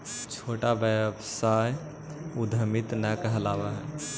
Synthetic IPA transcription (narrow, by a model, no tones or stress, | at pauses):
t͡ʃʰoːʈabəbsaːj | ʊd̪ʱəmɪt̪nəkəɦəlaːʋaɦɛ